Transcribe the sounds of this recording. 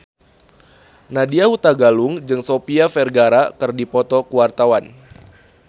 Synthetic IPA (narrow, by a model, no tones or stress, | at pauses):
nadiahut̪aɡalʊŋd͡ʒɨŋsopiafɛrɡaɾakɨrdipɔt̪ɔkuwart̪awan